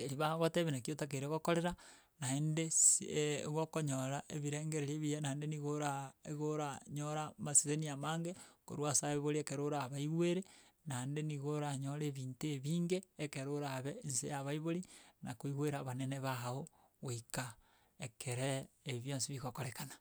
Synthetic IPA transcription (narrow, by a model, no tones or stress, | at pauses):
eɾiβaβoteβenakiotak̬eɾeɣokoɾeɾa | naendesɣokoɲoɾaʔeβiɾeːŋɡeɾeɾieβijenaendeniɣoɾaeɣoɾaɲoɾamasizeniamaːŋɡeko̰ɾwasaβeβoɾiekeɾoɾaβaiɣweɾenaendeniɣoɾaɲoɾeβiːnteβiːŋɡeːkeɾoɾaβensḛjaβaiβoɾinakoiɣweɾaβaneneβao | ɣoika | ekʰeɾeːβjonsiβiɣokoɾekana